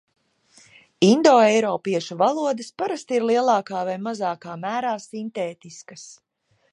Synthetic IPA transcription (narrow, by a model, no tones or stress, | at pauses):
ind̪ɔːɛjɾɔːpiɛʃuvalˠuɔd̪ɐspaɾast̪iɾlˠiɛlˠɑːkaːvajmazaːkaːmæːɾaːsint̪eːt̪iskɐs